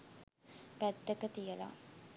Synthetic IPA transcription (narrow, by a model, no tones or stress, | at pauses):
pæd̪ːəkət̪ijəla̰